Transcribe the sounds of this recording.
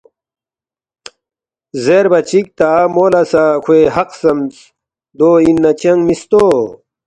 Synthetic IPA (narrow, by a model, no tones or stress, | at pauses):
zeɾbɐt͡ɕik̚t̪amoːlɐsakʰweɦɐqsɐmt͡s | d̪oːinːɐt͡ɕɐŋɡmist̪oː